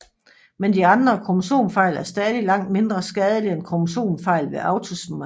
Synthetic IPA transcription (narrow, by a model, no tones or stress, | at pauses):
mend̥iɑ̈nd̥ʁɐkʰo̝muso̝̰ːnfɑ̈ɪ̰læɐsd̥ɛːðˠlilɑ̈ŋ̰d̥̚me̝nd̥ʁɐsɡ̥ɛːð̞ˠəlienkʰo̝muso̝̰ːnfɑ̈ɪ̰lʋe̝ʔɑ̈ʊt͡sʰo̝sm